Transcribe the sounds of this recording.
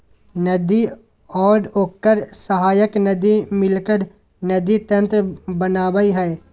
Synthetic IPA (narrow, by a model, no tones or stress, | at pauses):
nɐd̪i | ɔːɾɖoːkːəɾsəɦaːjəknɐd̪imɪlkəɾ | nɐd̪it̪ə̃nt̪ɾbɐnaːbəiɦɛː